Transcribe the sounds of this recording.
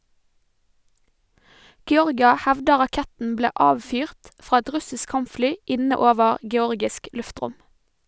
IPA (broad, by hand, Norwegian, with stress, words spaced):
ɡɛˈɔʁɡɪɑ ˈhɛʋdə ʁɑˈkɛtn̩ ˈbleː ˈʔɑːʋfyːʁt ˈfɾɑː ˈɛt ˈɾʉsɪsk ˈkɑmpˌflyː ˈɪnə ˈoːʋəɾ ɡɛˈɔɾɡɪsk ˈlʉfˌtɾʊm